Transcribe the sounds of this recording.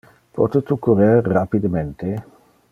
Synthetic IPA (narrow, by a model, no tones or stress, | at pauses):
pɔ̰t̪et̪ukuɾerːapid̪əment̪e